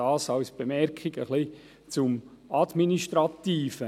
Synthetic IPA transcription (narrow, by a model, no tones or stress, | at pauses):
aːsɑwsb̥emɛɾkʰɪɡəχli | t͡sʊmad̪miniʃtɾɑt̪iːfə